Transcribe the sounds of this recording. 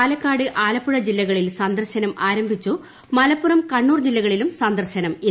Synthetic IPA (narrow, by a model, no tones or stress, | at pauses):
aːlɐkːaːɽɨʔaːlɐpːuɻɐd͡ʑilːɐɣɐɭilsɐnd̪ɐrɕɐnɐmʔaːɾɐmbʱit͡ɕːu | mɐlɐpːurɐmkɐɳːuːrd͡ʑilːɐɣɐɭilumsɐnd̪ɐrɕɐnɐmi